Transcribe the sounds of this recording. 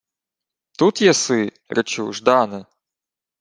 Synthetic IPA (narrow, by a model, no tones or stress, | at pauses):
t̪ut̪jɛsɪ | ɾɛt͡ʃuʒd̪ɑnɪ